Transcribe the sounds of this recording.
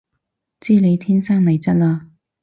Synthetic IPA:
t͡siː˥le˨˧jt̪ʰiː˥nsaː˥ŋnɐ˨˩jt͡sɐ˥t̚laː˧

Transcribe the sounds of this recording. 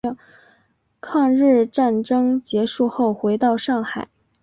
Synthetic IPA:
kʰɑ˥˧ŋɻɻ̩˥˧ʈ͡ʂa˥˩nʈ͡ʂɤ˥ŋt͡ɕjɛ˧˥ʂu˥˧xo˥˩ʊxwe˧˥ɪt̪ɑ˥˧ʊʂɑ˥˩ŋxa˨˩˦ɪ

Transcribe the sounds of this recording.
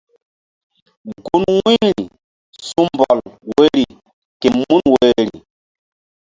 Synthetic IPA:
ɡu˦nwi˦ɾi˨ | su˦mmbɔ˨lwe˦ɾi˨ | ke˨mu˦nwe˦ɾḭ˨

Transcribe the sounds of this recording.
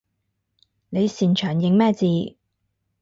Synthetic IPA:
ne˨˧jsiː˨˩nt͡ʃʰœː˨˩ŋjɪ˨˥ŋmɛː˥˩t͡siː˨˧

